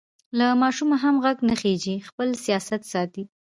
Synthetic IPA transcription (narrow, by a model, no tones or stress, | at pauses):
lamɑʃumaɦamɣaɡnaxed͡ʒixpəlsijɑsat̪sɑt̪i